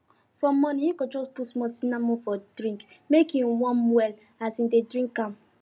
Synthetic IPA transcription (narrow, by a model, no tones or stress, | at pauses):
fɔmːɔnĩjikɔd͡ʒɔspusmɔsinamɔfɔdɾĩŋkmekĩwɔ̃nwɛl | asindedɾĩŋkːãm